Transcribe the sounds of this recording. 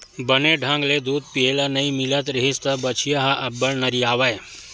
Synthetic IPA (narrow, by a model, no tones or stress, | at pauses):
bɐneɖʱãːŋɡled̪uːd̪̚pielanɐimilət̪ɾɐɦist̪ɐbɐt͡ʃʰijaɦaʔɐbːɐɭnɐɾiaːʋaːj